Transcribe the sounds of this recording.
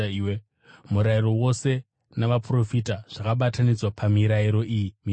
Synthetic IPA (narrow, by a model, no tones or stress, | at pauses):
iwe | muɾairo̞wo̞se̞ | naʋapro̞fitaʐ̥akaɓatanid͡zwapʰamiɾaiɾo̞ʔijimi